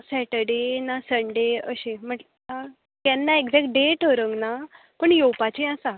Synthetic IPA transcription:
sɛʈəɽenasəɳɖeəɕẽm̤əʈ | a | kɛnːaekd͡zɛkʈ̚ɖeʈəɾəŋɡna | pəɳjopat͡ɕẽasa

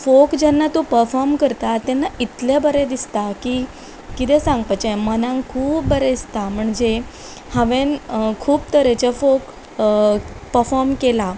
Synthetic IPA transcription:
fokd͡ʑɛnːat̪opəɾfɔɾmkəɾt̪at̪ːɛnːait̪lebəɾed̪ist̪akiː | kit̪ɛsãŋɡpat͡ɕemənãŋkʰuːpbəɾeist̪am̤əɳd͡ʑe | həʋẽnkʰuːp̚t̪əɾet͡ɕefok | pəɾfɔɾmkela

